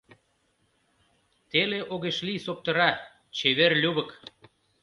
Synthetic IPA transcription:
t̪eleʔoɣeʃlisop̚t̪ɤ̆ɾɑ | t͡ɕeβerlʲuβə̆k

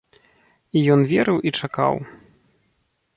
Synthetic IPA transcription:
ijɔnvʲɛɾɨwʔit͡ʂaka̰w

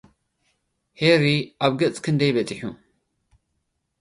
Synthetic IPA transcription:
heɾiʔaβɡɐt͡sʼkʰɨnd̪ɐjbɐt͡sʼɨħu

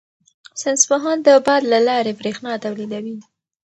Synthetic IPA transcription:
sɪnspʊɦɑnd̪əbɑd̪lalɑɾebɾexnɑt̪awlid̪awi

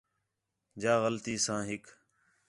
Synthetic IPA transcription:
d͡ʒaːɣəlt̪iːsãːɦɪk

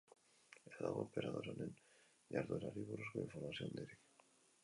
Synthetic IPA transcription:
eðaɣopeɾaðoɾonen | ʎaɾðoɾaɾiβuɾuskoiɱfoɾmasjond̪eɾek

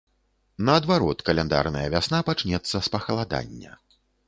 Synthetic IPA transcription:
nɐːd̪vaɾɔt̪kɐlʲɛnd̪a̰rnɐjɐvʲasn̪apat͡ʂnʲɛt̪sːɐspɐxɐlˠad̪a̰nʲːɐ̰

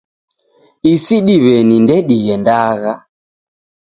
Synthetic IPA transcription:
isiɗiβɛnindɛɗiɣɛndaɣa

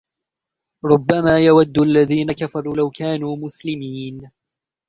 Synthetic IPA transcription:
ɾˤʊbːamaːjawad̪ːʊʔalːaðiːnakafɑɾˤuːlawkaːnuːmʊslɪmiːn

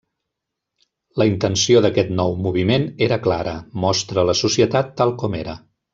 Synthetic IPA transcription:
ləint̪ənsioðəkɛt̪nɔwmuβ̞imeneɾəklaɾəmɔst̪ɾələsusiət̪at̪ːalˠkɔmeɾə

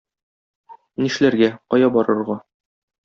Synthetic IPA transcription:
niʃlæɾɡæqɒjɑbɒɾɤ̆ɾʁɑ

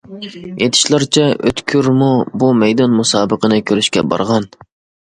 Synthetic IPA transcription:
et̪ʰi̥ʃlˠɑɾt͡ʃʰɛʔø̰t̪kʲʰyɾmubumɛjd̪ɑnmusɑːbəqənɨkʲʰøɾyʃkʲɛ̰bɑ̰ɾʁɑn

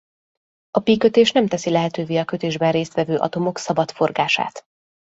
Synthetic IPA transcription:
ɒpikø̞t̪eːʃn̪ɛmt̪ɛsilɛɦɛt̪øːveːɒkø̞t̪eːʒbɛnreːst̪ʋɛvøːʔɒ̰t̪o̞mo̞ksɒbɒt̪fo̞rɡaːʃa̰ːt̪

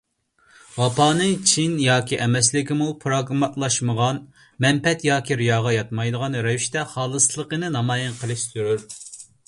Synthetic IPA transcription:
wɑpɑːnɨŋt͡ʃʰinjɑːkʲʰiʔɛmɛslɪkʲimupʰɾoɡmɑlˠɑʃməʁɑn | mɛmpɛt̪jɑːkʲiɾijɑːʁɑjɑt̪mɑjd̪əʁɑnɾɛviʃt̪ɛχɑːlˠəslˠəqənɨnɑmɑːjɪnqʰəlˠɨʃsyɾyɾ

